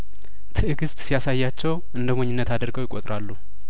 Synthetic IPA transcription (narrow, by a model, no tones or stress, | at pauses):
t̪ʰɨʔɨɡɨst̪ʼsijasajːat͡ʃːɛwʔɨnd̪əmoɲːɪnːət̪ad̪əɾɡəwjɪkʼo̰t̪ʼɾʔalːu